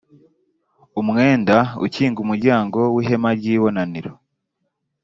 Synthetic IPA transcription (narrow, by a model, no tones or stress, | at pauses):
umŋe̞ːndaṵciːŋɡumuɾɟaːŋɡo̞wiːɦe̞maɾɟiːβo̞naniɾo